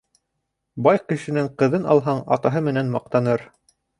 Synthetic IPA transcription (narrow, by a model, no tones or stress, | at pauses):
bɑjqɘ̆ʃɘ̆nɘŋqɤ̆ðɤnɑ̰lˠɦɑɴɑ̰t̪ɑɦɤmɘ̆nænmɑq̚t̪ɑnɤɾ